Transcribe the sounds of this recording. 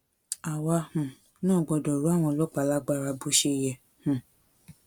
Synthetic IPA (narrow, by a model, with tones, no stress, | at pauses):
a˨wa˧hũ˨ | nãː˦˨ɡ͡bɔ˧dɔ˨ɾu˨˦a˦˨w̃ɔ̃˧lɔ˦k͡pa˨˧˨la˦ɡ͡ba˦˧˨ɾa˧˦bu˧˦ʃe˧˦˨jɛ˧˨ | hũ˨